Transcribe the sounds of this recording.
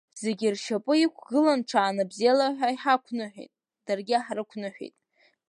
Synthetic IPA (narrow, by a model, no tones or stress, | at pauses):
z̥e̞ɡʲɪrʃapʼɨikʷʰɡɨlanʈ͡ʂʰaːnabzijalaħᶣaiħakʷʰnɨħᶣḛjtʼ | d̥arɡʲɪaħaɾɨkʷʰnɨħᶣʷḛtʼ